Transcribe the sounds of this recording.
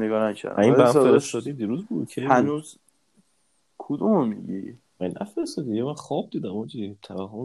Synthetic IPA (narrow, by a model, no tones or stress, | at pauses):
eɡɒːɾæʃæ̰inbæfeɾest̪ɒːd̪id̪iːɾuːzbṵːd̪̚cʰehænuːz | kʰud̪ummiɡi | ænʔæfeɾest̪ɒːd̪ijemænxɒːb̚d̪iːd̪æmɔd͡ʒit̪ʰæbæɦom